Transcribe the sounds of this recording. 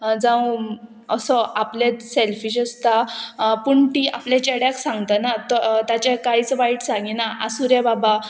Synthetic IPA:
d͡zã | əsɔʔaplet̪selfiɕəst̪apuɳʈ̪iʔa̰plat͡ɕeɽjaksãŋɡt̪ənat̪ɔt̪jat͡ɕekaɦit͡sʋaiʈsãŋɡinaʔasuɾjababa

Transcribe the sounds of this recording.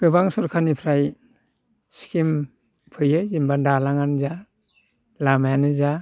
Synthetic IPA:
ɡ̥ɯbaŋsɔɾkʰanipʰɾaj | si̥kʰim | pʰɯjɯzimbadalaŋanza | lamajanɯza

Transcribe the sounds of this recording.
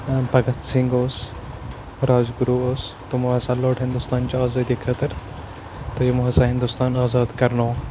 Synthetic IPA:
pɐɡɐt̪siŋɡoːs | ɾaːzɡuɾuːoːst̪omuɦɐsãːloːʈɦind̪ust̪ɑːnt͡ʃiaːzɑːd̪iːkʰɐt̪ɐɾ | t̪ojemuɦɐsãːɦɪ̃nd̪ust̪ɑːnɑːzɑːd̪kɐɾnoː

